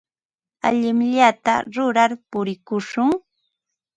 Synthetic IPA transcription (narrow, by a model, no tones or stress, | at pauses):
a̰ʎɪmʎat̪a̰ɾʊɾaɾpʊɾɪkʊʃʊŋ